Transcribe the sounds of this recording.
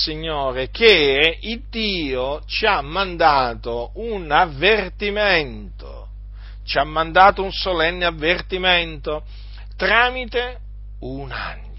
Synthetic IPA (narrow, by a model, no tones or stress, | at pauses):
siɲːoːɾekeid̪ːiːot͡ʃiamːand̪aːt̪ounavːert̪imɛnt̪o̰ | t͡ʃiamːãnd̪aːt̪ounsolɛnːeavːert̪imɛnt̪o | t̪ɾaːmit̪e | una̰ɲː